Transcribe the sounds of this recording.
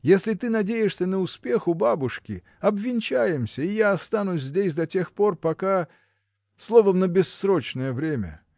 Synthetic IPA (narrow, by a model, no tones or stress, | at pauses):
jesʲlʲɪt̪ɨnɐdʲejɪʂsʲənəʊspʲe̞xʊbabʊʂkʲɪ̰ | ɐbvʲɪnʲt͡ɕæjɪmsʲəɪjaɐst̪anʊsʲzʲdʲesʲd̪ɐtʲe̞xpo̞rpɐka | slˠo̞vəmnəbʲɪsːɾo̞t͡ɕnəjəvɾʲemʲə̰